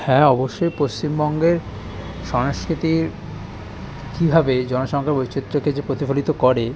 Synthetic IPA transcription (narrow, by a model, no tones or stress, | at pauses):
hɛ̃ɔboʃːojpost͡ɕimbɔŋɡeɾ | ʃɔnoʃkɾit̪iɾ | kibʱabed͡ʑɔnoʃɔŋkʰaɾbojt͡ɕit̪ːɾoked͡ʑepɾot̪ifolit̪okɔɾe